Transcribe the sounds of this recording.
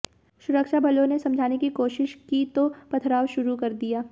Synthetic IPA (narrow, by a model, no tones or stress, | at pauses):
ʃʊɾəkʃabʱɐlõnesɐ̃md͡ʒʱaːnekikoːʃɪʃkit̪opɐt̪ʰɾaːwʃʊɾukɐɾd̪ijaː